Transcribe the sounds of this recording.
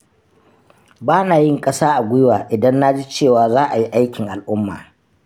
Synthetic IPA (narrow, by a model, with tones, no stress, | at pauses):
baː˦naː˨jɪ˦ŋkʼɐ˦saː˦ʔa˨ɡʷʊ˦ɪ˦waː˨ʔɪ˨dɐ˦nːa˦d͡ʒi˦t͡ʃeː˦˨waː˨zaː˦ʔa˨ji˦ʔa˦jkʲɪ˨ŋʔa˨lʔʊ˦mːa̰ː˨